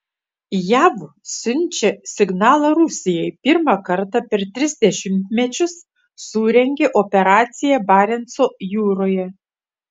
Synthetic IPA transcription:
jæʋ | sʲʊnʲˑt͡ʃʲɛsʲɪɡnɑːlˠɐɾʊsʲɪjɛjpʲɪɾmɑkɐɾt̪ɑpʲɛɾt̪ʲɾʲɪzʲd̪ʲɛʃʲɪmʲt̪ʲmʲɛt͡ʃʲʊsː | uːɾʲɛŋʲɡʲeʔɔpʲɛɾɑːt̪sʲɪjæbɑːɾʲɛnt̪soːjuːɾoːjɛ

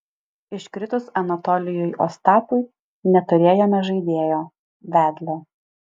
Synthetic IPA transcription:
ɪʃʲkɾʲɪt̪ʊsɐnɐt̪ɔlʲɪjʊjʔo̰ːst̪ɑːp̪ʊɪ | nʲɛt̪ʊɾʲeːjoːmʲɛʒɐɪd̪ʲeːjoː | ʋʲæːd̪ʲlʲɛ

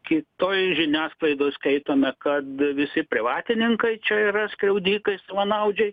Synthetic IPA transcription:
kʲɪt̪oːjʒʲɪnʲæːsklˠɐɪd̪oːskʲɛɪt̪oːmʲɛkɐt̪ʋʲɪsʲɪpʲɾʲɪʋɑːt̪ʲɪnʲɪŋkɐɪt͡ʃʲɛiːɾɐsʲkɾʲɛʊd̪ʲiːkɐɪsɐʋɐnɐʊd͡ʒʲɛɪ

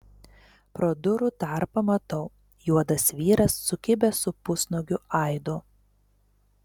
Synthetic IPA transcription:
pɾoːd̪ʊɾuˑt̪ɑˑɾpɐmɐt̪ɐʊ | juɔd̪ɐsʋʲiːɾɐsːʊkʲɪbʲɛsʊpʊsnɔɡʲʊɐˑɪd̪ʊ

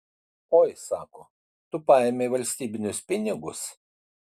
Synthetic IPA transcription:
oːjsɑːko | t̪ʊpɑːɛmʲeʋɐlʲsʲt̪ʲiːbʲɪnʲʊspʲɪnʲɪɡʊs

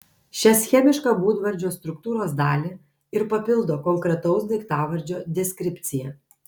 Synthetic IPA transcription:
ʃʲɛsʲxʲɛmʲɪʃkɑːbuːd̪ʋɐɾʲd͡ʒʲoːst̪ɾʊkt̪uːɾoːsd̪ɑːlʲe | ɪɾpɐpʲɪlˠd̪oːkɔŋkɾʲɛt̪ɔʊsd̪ʲɐɪkt̪ɑːʋɐɾʲd͡ʒʲoːd̪ʲɛsʲkʲɾʲɪpʲt̪sʲɪjɛ

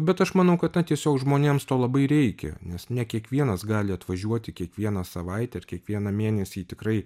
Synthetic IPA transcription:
bʲɛt̪ɐʃmɐnɐʊkɐt̪nɐt̪ʲiɛsʲoːkʒmoːnʲeːmst̪oːlˠɐbɐɪɾʲɛɪkʲɛ̰nʲɛsnʲɛkʲiɛkʋʲiɛnɐsɡɑːlʲɪɐt̪ʋɐʒʲuɔt̪ʲɪkʲiɛkʋʲiɛnɐsɐʋɐɪt̪ʲɛɐrkʲiɛkʋʲiɛnɐmʲeːnʲɛsʲiːt̪ʲɪkɾɐɪ

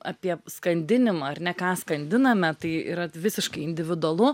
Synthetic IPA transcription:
ɑ̰pʲiɛskɐnʲd̪ʲɪnʲɪmɐɐrnʲɛkɑːskɐnʲd̪ʲɪnɐmʲɛt̪ɐɪḭːɾɐʋʲɪsʲɪʃkɐɪɪnʲd̪ʲɪʋʲɪd̪ʊɐlˠʊ

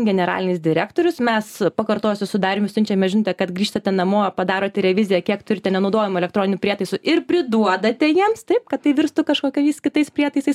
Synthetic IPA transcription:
ɡʲɛnʲɛɾɑ̰ːlʲɪnʲɪsd̪ʲɪɾʲæ̰ːkt̪oːɾʲʊsmʲɛspɐkɐrt̪oːjsʲʊsʊd̪ɑːɾʲɪːmʲɪsʲʊnʲt͡ʃʲɛmʲɛʒʲɪnoːt̪ʲɛkɐt̪ɡɾʲiːʃt̪ɐt̪ʲɛnɐmoːpɐd̪ɑːɾoːt̪ʲɛɾʲɛʋʲɪzʲɪjɛkʲiɛkt̪ʊɾʲɪtʲɛnʲɛnɐʊd̪oːjɪmʊɛlʲɛkt̪ɾoːnʲɪnʲʊpʲiɛt̪ɐɪsʊʔɪrpʲɾʲɪd̪uɔd̪ɐt̪ʲɛjiɛmst̪ɐɪp̚kɐt̪t̪ɐɪʋʲɪɾst̪ʊkɐʃkoːkʲɛjɛɪskʲɪt̪ɐɪspʲɾʲiɛt̪ɐɪsɐɪs

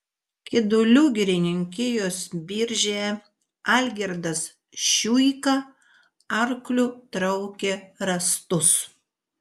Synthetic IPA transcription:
kʲɪd̪ʊlʲuɡʲɪɾʲɪnʲɪŋʲkʲɪjoːsbʲiːɾʲʒʲe | ɑlʲɡʲɛɾd̪ɐs | ʃʲuːjkɐ | ɐɾklʲʊt̪ɾɐʊkʲeɾɐst̪ʊs

